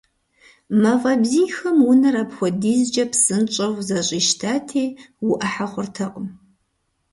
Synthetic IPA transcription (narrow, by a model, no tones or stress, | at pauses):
mavɐbziːxɐmwʊnɐɾapxʷɔdiːzd͡ʒɐpsɨnt͡ʃʼɐwzɐɕʼiːʃtʰaːtʰeːwʊʔɐħaχʷʊrtʰɐqʼʊm